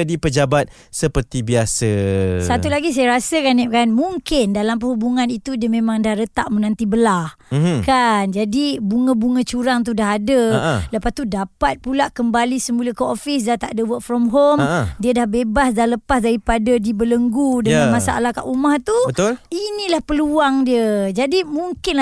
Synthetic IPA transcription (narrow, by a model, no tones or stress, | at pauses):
dipəd͡ʒabat̪̚ | səpərt̪ibiasəsat̪ulaɡis̬ajaɾasəkanɛp̚kanmuŋkɪndalamp̬əɦubuŋanit̪udiəmẽmãŋdahɾət̪a̰ʔmənãnt̪ibəlahkand͡ʒadibuŋə̃buŋə̃t͡ʃuɾaŋt̪̬udaɦadələpast̪udapat̪̚pulaʔkəmbalisəmuləkəɔfɪs̬dat̪aʔdəwək̚fɾɔmɦomdiədahbebasdahləpasdaɾipadadibələŋɡudəŋanmasaʔa̰lahka̰ʔumaht̪uət̪linĩlahpəluaŋdiəd͡ʒadimuŋkɪnla